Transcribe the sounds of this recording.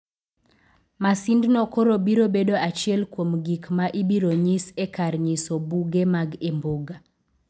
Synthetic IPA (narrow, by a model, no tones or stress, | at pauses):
masindnɔkoɾobiɾobedoat͡ʃɪɛlkwomɡikmaʔibiɾoɲisɛkaɾɲisobuɡemaɡemboɡa